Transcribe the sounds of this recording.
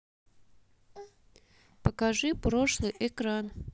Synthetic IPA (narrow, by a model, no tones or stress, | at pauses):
pəkaʐɨpɾoʂlˠɨjʔɪkɾan